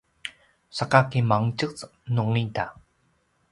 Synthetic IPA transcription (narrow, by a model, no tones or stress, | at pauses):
sakakimaŋt͡ɕɯkt͡snuŋːita